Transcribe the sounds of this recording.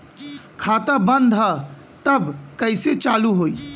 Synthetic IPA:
kʰaːt̪abə̃nd̪ʱɦə | t̪əbkəɪset͡ʃaːluɦoːi

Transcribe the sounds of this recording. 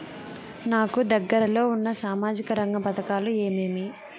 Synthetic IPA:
naːkud̪ɐɡːɐɾɐlo̞ːunːɐsaːmaːd͡ʒikɐɾɐŋɡɐpɐt̪ɐkaːlue̞ːmeːmi

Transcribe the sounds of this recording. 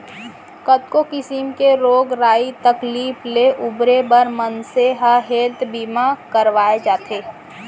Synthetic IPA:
kət̪̚kokɪsɪmkeɾoːɡɾaːit̪ɐkliːfleʔʊbɾebəɾmənseɦaɦeːt̪biːmakəɾʋaːed͡ʒaːt̪ʰeː

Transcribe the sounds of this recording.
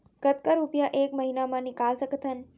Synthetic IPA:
kət̪kəɾupjaʔekməɦinamãnikalsəkət̪ʰən

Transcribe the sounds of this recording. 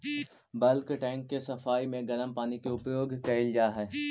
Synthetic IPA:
bɐlkʈɛ̃ːŋkːesɐfaːimẽɡɐləmpaːnikeʊpjoːɡkɛld͡ʒaːɦɛː

